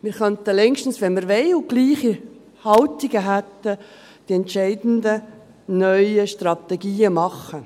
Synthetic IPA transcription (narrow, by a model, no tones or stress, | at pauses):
miɾχœnt̪əlɛŋʃtən̩sʋɛnməɾʋeɪʊɡ̥liːχi | hɑlt̪iɡəɦæt̪ːə | d̥iɛntt͡ʃɛɪdn̩d̪ə | nœʏəʃtrɑt̪ɛɡiːəmɑχə